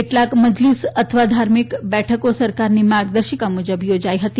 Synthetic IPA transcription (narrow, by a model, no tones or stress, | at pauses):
eʈlakməd͡ʒlisət̪ʰəʋad̪ʱaɾmikbɛʈʰəkosəɾkaɾnimaɾɡd̪əɾɕəkamud͡ʒəbjod͡ʒajɦət̪i